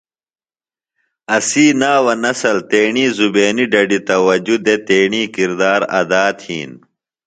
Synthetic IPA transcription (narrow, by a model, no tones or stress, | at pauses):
ɐsiːnaːwɐnɐsɐlt̪eːɳiːzubeːniɖɐɖit̪ɐwɐd͡ʑud̪et̪eːɳiːkiɾd̪aːɾɐ̰d̪aːt̪hḭːn